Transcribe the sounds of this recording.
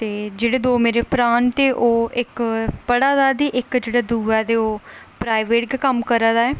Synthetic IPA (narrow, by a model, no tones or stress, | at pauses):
t̪eːd͡ʒeːɽeːd̪oːmeːɾeːpɾaːnt̪eːʔoːɪkbəɽaːd̪aːd̪iːʔɪkd͡ʒeːɽaːd̪uːɛːt̪eːoːpɾaːiʋeːʈ̚ɡkəmkəɾad̪aːɛː